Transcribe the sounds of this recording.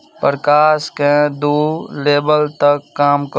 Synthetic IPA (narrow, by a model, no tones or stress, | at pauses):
pəɾkaːsked̪uːleːbəlt̪əkːaːmk